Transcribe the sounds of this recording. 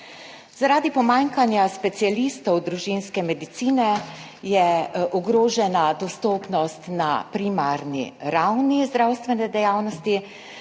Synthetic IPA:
zaɾaːd̪ipɔmaːŋkanjaspɛt̪sijalist̪ɔwd̪ɾuʒinskɛmɛd̪it̪siːnɛ | jɛʔɔɡɾoːʒɛnad̪ɔst̪oːpnɔst̪na̰pɾimaɾnḭɾawnizd̪ɾawst̪ʋɛnɛd̪ɛjaːwnɔst̪i

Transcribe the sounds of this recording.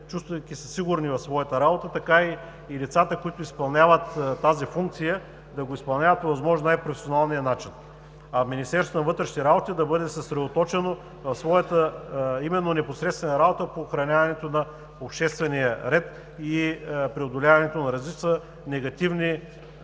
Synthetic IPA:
t͡ʃust̪vəkisəsiɡuɾnivɐfsvɔjɐt̪əɾabot̪ət̪ɐkai | lit̪sat̪əkoit̪ʊispɐlˠnʲavət̪t̪ːazifuŋk̚t̪sijə | d̪ɐɡoispɐlˠnʲavɐt̪povɐzmɔʒnnajpɾofʲɛsionalˠnijənat͡ʃin | ɐminʲist̪ɛɾst̪onɐvɤt̪ɾɛʃit̪ɛɾabot̪id̪ɐbɤd̪ɛsɐsɾɛd̪ot̪ɔt͡ʃɛno | vɐfsvɔjət̪əimɛnːonɛposɾɛt̪st̪vɛnɐɾabot̪əpoxɾɐnʲavɐnɛt̪onɐ | opʃt̪ɛst̪vɛnijəɾɛt̪ | ipɾiod̪olʲavɐnɛt̪onɐɾɐzlit͡ʃsə | nɛɡɐt̪ivni

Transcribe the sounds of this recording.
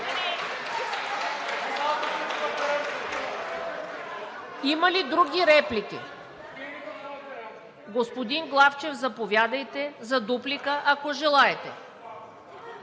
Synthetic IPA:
imɐlid̪ɾuɡʲiɾɛplik̟ḭ | ɡospod̪inɡlˠaft͡ʃɛvzɐpovʲjad̪ɐjt̪ɛzɐd̪uplikəʔɐkoʒɛlˠaɛt̪ɛ

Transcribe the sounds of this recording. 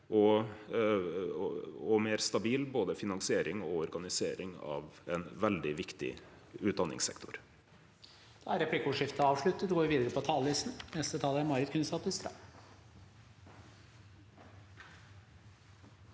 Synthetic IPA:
ʔɔ | ɔmeːɾst̪ɑbiːlboːd̪əfɪnɑŋsɪeːɾɪŋɔɔɾɡɑnɪseːɾɪŋɑ̰ːʋɛnʋɛld̪ɪʋɪkt̪ɪ̰ | ʉːt̪̚d̪ɑnːɪ̰ŋsɛ̰kt̪ʊɾ | d̪̥ɑːæɾɛplɪkʊʂɪft̪əɑːʋʂɭʉt̪ːət̪ɡoːʋɪʋiːd̪əɾəpʰɔt̪ʰɑːlʋɪsnnɛst̪ət̪ʰɑːləæɾmɑɾɪt̪kʰʉnsɑp̪ɪst̪ɾɑ̰

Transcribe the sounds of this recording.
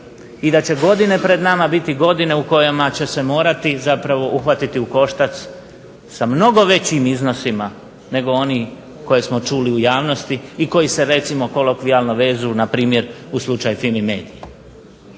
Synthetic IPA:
id̪at͡ɕe̞ɡo̞d̪ine̞pɾe̞d̪namabit̪iɡo̞d̪ine̞uko̞jamat͡ɕe̞se̞mo̞ːɾat̪izapɾaʋo̞ʔuxʋat̪it̪iuko̞ʃt̪at̪s | samno̞ɡo̞ʋe̞t͡ɕimizno̞sima | ne̞ɡo̞o̞niː | ko̞jesmot͡ʃuːliujaːʋno̞st̪iːko̞jise̞ɾe̞t̪simo̞ko̞lokʋialˠno̞ʋe̞ːzujnapɾiːmje̞ɾuslˠut͡ʃajufilmime̞̰ːd̪ije

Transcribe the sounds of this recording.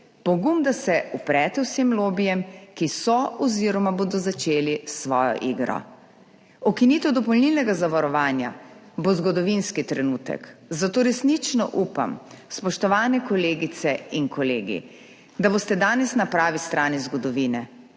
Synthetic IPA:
pɔɡumd̪asɛupɾɛːt̪ɛwsemloːbijɛmkisɔɔziɾɔmaboːd̪ɔzat͡ʃeːlisʋɔːjɔ̰ʔiɡɾɔ̰ | ɔkiniːt̪ɛwd̪ɔpɔlnilnɛɡazaʋaɾɔʋaːnja̰ | bozɡɔd̪ɔʋinskit̪ɾɛnuːt̪ɛ̰kzat̪oːɾɛsnit͡ʃnɔ̰ʔupa̰mspɔʃt̪ɔʋaːnɛkɔleːɡit̪sɛinkɔleːɡḭ | d̪abost̪ɛd̪aːnɛsnapɾaːʋist̪ɾʔaːnizɡɔd̪ɔʋiːnɛ

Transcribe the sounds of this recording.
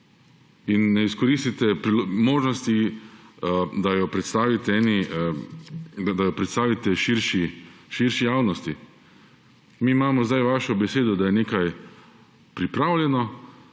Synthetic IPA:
inːɛiskɔɾist̪it̪ɛpɾimoːʒnɔst̪i | d̪ajɔpɾɛt̪st̪aːʋit̪ɛɛni | d̪d̪ajɔpɾɛt̪st̪aːʋit̪ɛʃiɾʃiʃiɾʃijaːwnɔst̪i | miːmaːmɔzd̪ajʋaːʃɔbɛseːd̪ɔd̪ajɛneːkaj | pɾipɾaːwlʲjɛnɔ

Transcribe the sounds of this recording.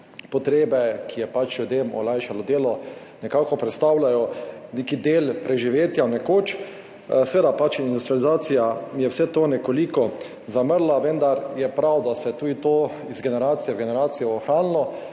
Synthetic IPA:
pɔt̪ɾeːbɛkʰijɛpat͡ʃljud̪eːmɔ̰lajʃalɔd̪eːlɔnɛkaːkɔpɾɛt̪st̪awlajɔneːkid̪eːlpɾɛʒiʋeːt̪janɛkoːt͡ʃ | sɛʋeːd̪apat͡ʃind̪ust̪ɾializaːt̪sijamjɛwsɛt̪oːnɛkolikɔ | zaməɾlaʋənd̪aɾjɛpɾawd̪asɛt̪uːd̪it̪oː | izɡɛnɛɾaːt̪sijɛwɡɛnɛɾaːt̪sijɛɔxɾaːnlɔ

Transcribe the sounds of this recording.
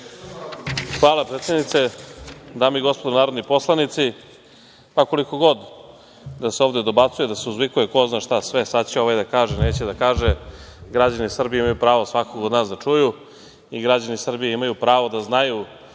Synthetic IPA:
xʋaːlˠapɾet̪sed̪nit̪se̞d̪aːmoiɡo̞spod̪onaːɾod̪nipo̞slˠanit̪si | pako̞liko̞ɡo̞d̪ | d̪aseo̞vd̪ed̪o̞bat̪sujed̪aseuzʋikujeko̞znaːʃt̪asʋesat͡ɕeoʋajd̪akaːʒeneːt͡ɕed̪akaːʒe | ɡɾad͡ʑanisr̩bijeimajupɾaːʋosʋakoɡod̪naːsd̪at͡ʂuju | iɡɾad͡ʑanisr̩bijeimajupɾaːʋod̪aznaju

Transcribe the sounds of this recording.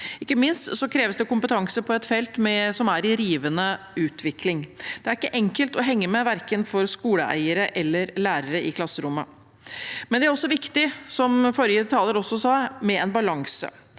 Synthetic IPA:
ɪkːəmɪnst̪sɔkʰɾeːʋəsd̪ɛkʊmpət̪ʰɑŋsəpʰɔɛt̪fɛlt̪mɛsɔmæɾɪɾiːʋənə | ʉːt̪ʰʋɪklɪŋd̪̥ɛæɾɪkːəʔɛŋkəlt̪ɔɦɛŋːəmɛʋæɾkənfɔɾskuːləʔæ̰ɪəɾəʔɛlːəɾlæːɾəɾəʔɪkʰlɑsːəɾʊmːə̰ | mɛnd̪ɛæɾɔsːɔʋɪkt̪ɪsɔmfɔɾjəd̪ɛt̪ʰɑːləɾɔsːɔsɑːmɛɛnbɑlɑŋsə̰

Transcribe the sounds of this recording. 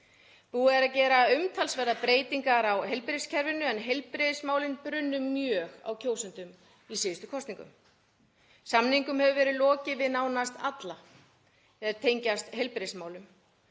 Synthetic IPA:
puːɛɾacɛːɾaʏmt̪ʰalsvɛɾðapɾeːjt̪iŋkaɾawɦejlpɾescʰɛɾvɪnʏɛnɦejlpɾeðsmaːwlɪnpɾʏnːʏːjœːɣa̰wcʰoːwsʏnt̪ʏm | isɪːðʏst̪ʏkʰɔst̪niŋkʏ̰m | samniŋkʏmhɛvʏvɛːɾɪðlɔːcɪvɪðnaːwnast̪at̪la | θɛðɪɾ̥t̪ʰeːjɲcast̪ɦejlpɾesmaːwlʏm

